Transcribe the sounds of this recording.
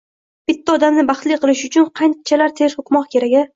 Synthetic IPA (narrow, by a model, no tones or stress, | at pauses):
b̥ɪt̪ʰːaɒd̪amnɪbɑχt̪lijqʰɨlˠɪʃʊt͡ʃʰʊnqʰɑjnt͡ʃʰalaɾt̪ʰe̞ɾhʊqmɒqkʲʰe̞ɾaɡ̪ʲɪ